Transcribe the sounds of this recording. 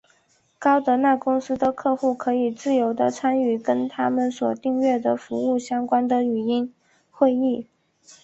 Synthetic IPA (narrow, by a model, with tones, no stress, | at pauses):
kɑ˥ʊt̪ɤ˧˥na˥˩kʊ˥ŋsɹ̩˥d̪ə˨kʰɤ˥˧xu˥˩kʰɤ˧˥i˨˩t͡sɹ̩˥˩jo˧˥ʊd̪ə˧t͡sʰa˥ny˨˩kə˥nt̪ʰa˥mə˨nswɔ˨˩t̪i˥˧ŋɥɛ˥˩d̪ə˩fu˧˥u˥˩ɕjɑ˥ŋkwa˥nd̪ə˨y˨˩i˥n | xwe˥˧ɪi˥˩